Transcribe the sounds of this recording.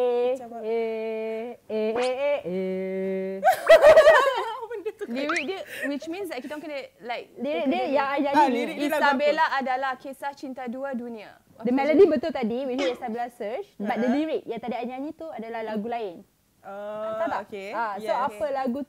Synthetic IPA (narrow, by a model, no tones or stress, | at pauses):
ee | eee | liɹik̚dəwit͡ʃmĩnsdɛt̚kit̪õnkənəlajk̚diɾik̚diəjãŋaɲãɲĩit̪abelaadalahkesaht͡ʃint̪aduadunĩa | dəmɛlədibət̪ʊlt̪adiwit͡ʃɛst̪abilasət͡ʃbat̪̚dədiɹik̚jaŋt̪adiaiɲãɲĩt̪uadalahlaɡulaɪn | abaeaoapəlaɡu